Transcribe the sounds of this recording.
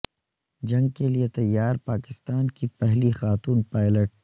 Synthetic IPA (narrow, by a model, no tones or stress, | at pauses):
d͡ʒɐ̃ŋɡkeliet̪ɐjːaːɾpaːkɪst̪aːnkipɛɦlixaːt̪uːnpaːɪləʈ̚